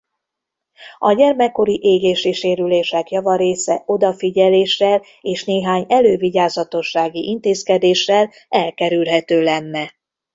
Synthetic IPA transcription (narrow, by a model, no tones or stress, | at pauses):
ɒɟɛrmɛkːo̞ɾiʔeːɡeːʃiʃeːɾyleːʃɛkjɒvɒɾeːsɛʔo̞d̪ɒfiɟɛleːʃːɛl | eːʃneːɦaːɲɛløːviɟaːzɒt̪o̞ʃːaːɡiʔint̪eːskɛd̪eːʃːɛl | ɛlkɛɾylɦɛt̪øːlɛnːɛ